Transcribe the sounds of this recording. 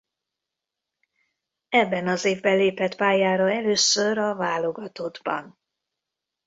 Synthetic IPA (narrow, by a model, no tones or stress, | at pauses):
ɛbːɛnɒzeːvbɛleːpɛt̪paːjaːɾɒɛløːsøɾɒvaːlo̞ɡɒt̪o̞d̪bɒ̰n